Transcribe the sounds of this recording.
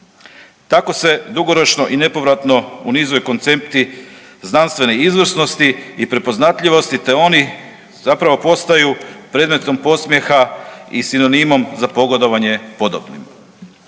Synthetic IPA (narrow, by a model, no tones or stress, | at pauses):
t̪ako̞se̞d̪uɡo̞ɾo̞t͡ʃnoʔine̞po̞ʋɾat̪no̞unizojkont̪se̞p̚t̪i | znanst̪ʋe̞neizʋr̩sno̞st̪iːpɾepo̞znat̪ʎʲiʋo̞st̪it̪e̞o̞ni | zapɾaʋo̞po̞st̪ajupɾe̞ːd̪me̞t̪o̞mpo̞smje̞xaisino̞nimo̞mzapo̞ɡo̞d̪o̞ʋaɲe̞po̞d̪obnḭm